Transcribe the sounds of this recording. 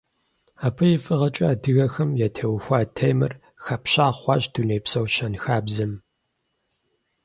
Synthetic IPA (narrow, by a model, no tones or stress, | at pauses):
aːpʰɨjɪfɨʁɐt͡ʃʼɐːdɨɣɐxɐmjɛtʰɐwxʷɑːtʰɐjmɨ̰r | xɐpɕaːχʷɑːɕd̥unejpsɐwɕɐnxaːbzɨm